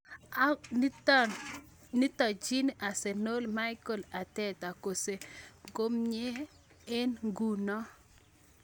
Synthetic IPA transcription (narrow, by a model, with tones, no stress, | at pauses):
ni˦tɔ˨d͡ʒi˦nʔa˨se˨no˦lma˦iko˨la˨t̪ɛ˦ta˨ko˨se˨ɡo˦mɲe˦ | e˦nɡu˨nɔ˦